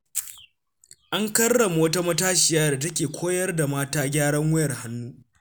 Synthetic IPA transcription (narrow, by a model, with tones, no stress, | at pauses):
ʔa˦ŋkɐ˦rːɐ˨mː˦wɐ˦ta˦mɐ˦taː˦ʃɪ˨jaː˦da˨tɐ˦k̬ʲeː˨kʷʰoː˦jɐ˦rda˨maː˦taː˦ɡʲaː˦ɽɐ˦ŋwʊ˦jɐ˨rha˦nːuː˦